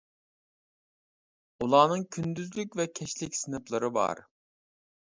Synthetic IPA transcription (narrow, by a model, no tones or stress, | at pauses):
ulˠɑːnɨŋkʲʰynd̪yzlykʲvɛkʲʰɛʃlɪkʲsɨnɨplˠɨɾɨbɑ̰ɾ